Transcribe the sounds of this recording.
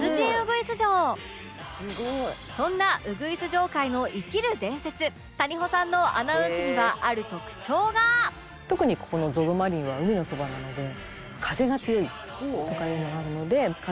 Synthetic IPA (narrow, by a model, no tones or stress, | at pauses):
nɯʑĩɯ̟ɡɯ̟isɨʑo̞ː | s | sõ̞nːaʔɯ̟ɡɯ̟isɨʑo̞ːkaino̞ʔikʲiɾɯ̟d̪ẽ̞ɰ̃se̞t͡sɨ | t̪aɲ̟iɦo̞sãnːo̞ʔa̰naɯ̟sɨmɯɡaʔaɾɯ̟t̪o̞kɯ̥t͡ɕo̞ːɡa | t̪o̞kɯ̟ɲ̟iko̥ko̞no̞zo̞d̪omaɾʲĩɰ̃βaɯ̟mʲino̞so̞banano̞d̪e̞ | kʰaze̞ɡat͡sɨjo̞i | t̪o̞kaɯɯmoɡaɾɯ̟no̞d̪e̞k